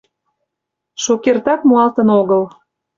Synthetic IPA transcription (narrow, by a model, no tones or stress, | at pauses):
ʃokert̪ɑkmuɑlt̪ə̆noɣəl